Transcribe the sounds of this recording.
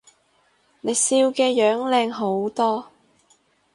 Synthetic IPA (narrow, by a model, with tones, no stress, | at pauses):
ne˨˧jsiː˧wkɛː˧jœː˨˥ŋlɛː˧ŋɦo˨˥wt̪ɔː˥